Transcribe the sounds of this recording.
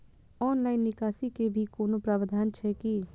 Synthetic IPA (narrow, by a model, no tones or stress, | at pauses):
ɔːnlaːɪnːɪkaːsikebʱikoːnopɾaːʋəd̪ʱaːnt͡ʃʰɛki